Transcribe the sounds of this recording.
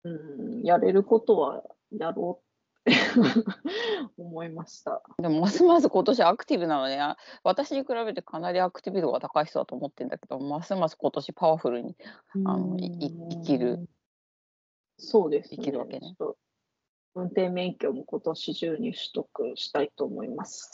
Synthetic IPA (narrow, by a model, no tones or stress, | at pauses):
ɯ̟̃jaɾe̞ɾɯ̟ko̞t̪o̞βa̰ | jaɾoːt̪ː | e | omo̞imaɕi̥t̪a̰d̪emo̞masɨmas̬ɨko̞t̪o̞ɕ̬iakɯ̟̥t̪ʲibɯ̟nano̞d̪eaβat̪aɕiɲ̟ikɯ̟ɾaβe̞t̪e̞kʰanaɾʲiakɯ̟̥t̪ʲibʲit̪oɡa̰t̪akaiçt̪od̪at̪oːmo̞t̪ːẽ̞nd̪aked̪omasɨmasɨ̥ko̞t̪o̞ɕipaβaɸɯ̟ɾɯ̟ɲ̟ia̰noiiikʲiɾɯ̟ | so̞ːd̪e̞sɨinkʲiɾɯ̟βakeneo̥t̪ːo | ɯ̟̃nt̪ẽ̞mːẽ̞ŋkʲo̞ːmo̞ko̞t̪o̞ɕiʑɨːɲ̟iɕɨ̥t̪okɯ̟ɕi̥t̪ait̪oːmo̞̰imasɨ̥